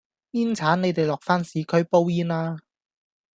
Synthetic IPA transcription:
iː˥nt͡sʰaː˨˥nne˨˧jt̪e˨jlɔː˨k̚faː˥nsiː˨˥kʰɵ˥ɥpo˥wjiː˥naː˧

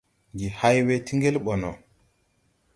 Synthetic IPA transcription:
ŋɡi˨ha˦jwe˦ti˦ŋɡe˦lɓɔ˨nɔ˨

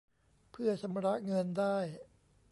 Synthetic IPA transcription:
pʰɯ˥˩ɐsʰa˧mɾa˦˥ʔŋɤ˧ndaː˥˩j

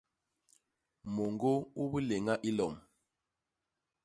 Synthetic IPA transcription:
mo˨ŋɡo˦u˦βu˦le˨ŋa˦ʔi˦lɔ˨m

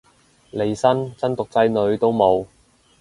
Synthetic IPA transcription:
le˨˧jsɐ˥nt͡sɐ˥nt̪ʊ˨k̚t͡sɐ˧jnɵ˨˧ɥt̪o˥wmo˨˧w

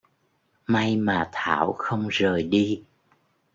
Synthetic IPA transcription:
ma˧jmaː˨˩t̪ʰa̰ː˧˩˨wxə˧wŋ͡mzəː˨˩jɗi˧

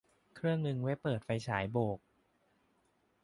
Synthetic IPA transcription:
kʰɾɯ˥˩əŋnɯ˧ŋwe˦˥pːɤː˨˩t̪̚fa˧jt͡ɕʰaː˩˦jboː˨˩k̚

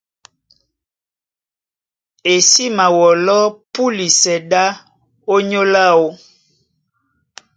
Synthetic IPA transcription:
e˨si˦ma˨wɔ˨lɔ˦pu˦li˨sɛ˨da˦ | o˦ɲo˦la˦wo˦

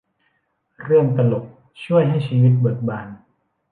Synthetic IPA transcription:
ɾɯ˥˩əŋt̪a˧lo˨˩p̚ | t͡ɕʰu˥˩əjɦa˥˩jt͡ɕʰiː˧wi˦˥t̪̚bɤ˨˩k̚baː˧˩n

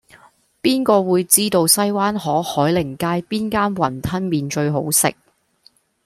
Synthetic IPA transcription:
piː˥nkɔː˧wuː˨˧jt͡siː˥t̪o˧wsɐ˥jwaː˥nɦɔː˨˥hɔː˨˥jlɪ˨˩ŋkaː˧˥jpiː˥nkaː˥nwɐ˨˩nt̪ʰɐ˥nmiː˨nt͡ʃɵ˧ɥɦo˨˥wsɪ̰˨k̚

